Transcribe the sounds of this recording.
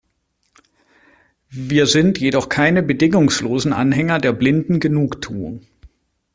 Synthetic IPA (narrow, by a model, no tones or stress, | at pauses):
viːɐzɪntjedɔχkʰaɪnəbədɪŋʊŋsloːzn̩ʔa̰nɦɛŋɐdeːɐblɪndn̩ɡənuːktʰuː